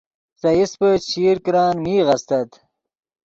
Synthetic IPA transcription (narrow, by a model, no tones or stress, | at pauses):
sɐjispət͡ɕiːɾkɾɑːnmiːʁɐst̪ɐt̪